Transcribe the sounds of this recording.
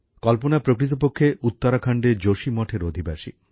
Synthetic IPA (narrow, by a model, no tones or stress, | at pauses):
kɔlponapɾokɾit̪̬op̬okʰːeʔut̪ːaɾakʰaɳɖeɾd͡ʑoʃimɔʈʰeɾod̪ʱibaʃḭ